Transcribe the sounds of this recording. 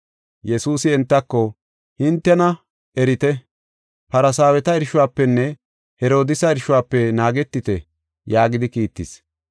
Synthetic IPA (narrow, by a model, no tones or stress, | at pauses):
jɛsuːsɪɛnt̪ːɐkːɔ | hɪnt̪ːɛnɐ | ɛɾɪt̪ɛ | pɐɾɐsaːwɛt̪ɐɪɾʃʊwaːpːɛnːɛ | hɛɾo̞ːd̪ɪsɐɪɾʃʊwaːpːɛnaːɡɛt̪ːɪt̪ɛ | jaːɡɪd̪ɪkiːt̪ːɪs